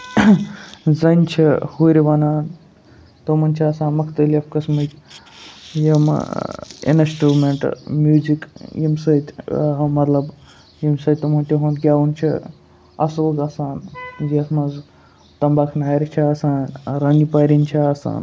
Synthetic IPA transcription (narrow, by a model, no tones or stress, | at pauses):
zɐnʲt͡ʃʰihuɾʲiʋɐnaːn | t̪omɐnʲt͡ʃʰiaːsãːnmɐkʰt̪əliɐfkɐsmɨt̪ʲ | jɐm̰ | ḛnɐsʈuːmeɳʈmjuːzikjimsɐt̪ʲːɦmɐt̪lɐb | jimsɐt̪̚ʲt̪umɐnt̪ʲiɦonkʲjaːunt͡ʃʰḭ | ɐ̰soːɡaːsaːnjiɐsmɐz | t̪ɐmbaːkʰnaːɾʲit͡ʃʰiaːsaːnɾɐnipaːɾʲinʲt͡ʃʰiaːsa̰ːn